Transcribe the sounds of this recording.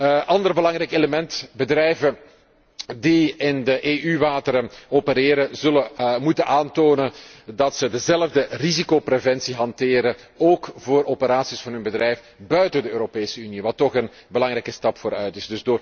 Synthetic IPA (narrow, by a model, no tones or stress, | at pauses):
ʔɑndərbəlɑŋrɛjkeləmɛntbədrɛjvə | diɪndəʔeːʔyʋaːtəɾəoːpəɾeːɾəzɵləmutənaːntoːnəndɑtsədəzɛləvdərizikoprevɛnsiɦɑntɪːɾə | oːkvoːɾoːpəɾaːtsisfɑnɦɵnbədrɛjf | bœɥtədəøːɾopeːsəyniʋɑtːɔxən | bəlɑŋɾɛjkəstɑpfoːɾœɥtɪzdɵzdoːr